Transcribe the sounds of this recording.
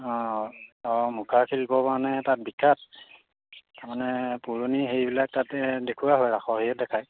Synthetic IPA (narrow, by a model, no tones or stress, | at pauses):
ɔ̃ | ɔmukʰakʰilbɔpanɛtat̚bikʰːat | taɹmanɛpuɹoniɦejbilak̚tatɛdekʰuwaɦɔjɹaxʰɔɦijɛt̚dɛkʰaj